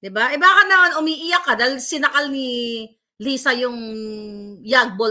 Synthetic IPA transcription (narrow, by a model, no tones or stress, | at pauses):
d̪ɪbaʔɛbaːkɐnɐmanʔʊmiːʔɪjakːɐd̪ajlsɪnɐkalni | liːsɐjʊŋ | jaɡ̚bo